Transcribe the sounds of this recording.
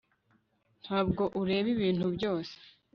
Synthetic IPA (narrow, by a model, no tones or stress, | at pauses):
n̥haːbɡo̞ʔuɾe̞ːβiβiːnhubɟo̞ːse̥